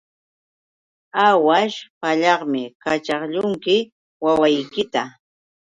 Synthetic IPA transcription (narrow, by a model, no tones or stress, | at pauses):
awaʃpaʎɑχmɪkat͡ʃɑχʎʊŋkɪ | wawajkɪt̪a